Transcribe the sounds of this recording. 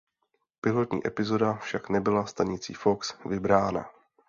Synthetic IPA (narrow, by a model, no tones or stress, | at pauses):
pɪlo̞t̪ɲḭːʔɛpɪzo̞dafʃaknɛbɪlast̪aɲɪt͡sḭːfoksvɪbɾaːna̰